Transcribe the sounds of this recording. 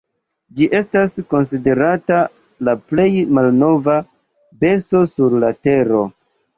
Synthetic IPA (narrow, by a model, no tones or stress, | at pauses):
d͡ʒiʔe̞stasko̞nside̞ɾata | laple̞jmalno̞va | be̞sto̞suɾlate̞ɾo̞